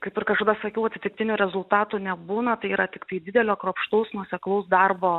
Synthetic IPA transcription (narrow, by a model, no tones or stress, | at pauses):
kɐɪpɪrkɐʃkod̪ɐsɐkʲɛʊɐt̪ʲɪt̪ʲɪk̚t̪ʲɪnʲuːɾʲɛzʊlˠt̪ɑːt̪uːnʲɛbuːnɐt̪ɐɪiːɾɐt̪ʲɪkt̪ɐɪd̪ʲɪd̪ʲɛlʲoːkɾoːpʃt̪ɐʊsnuɔsʲɛklˠɐʊsd̪ɐrboː